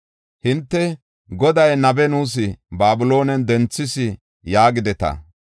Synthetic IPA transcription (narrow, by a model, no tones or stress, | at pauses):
hɪnt̪ːɛ | ɡɔd̪ɐjnɐbɛnuːs̬ɪbaːbʊlo̞ːnɛnd̪ɛnt͡sːɪsɪ | jaːɡɪd̪ɛt̪ɐ̰